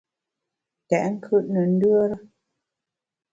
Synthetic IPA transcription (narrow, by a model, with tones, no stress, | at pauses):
tɛ˨ʔŋ̩˦kʰʉ˦˨ʔnə˨n̩˦dʉ˦ə˦ɾə˦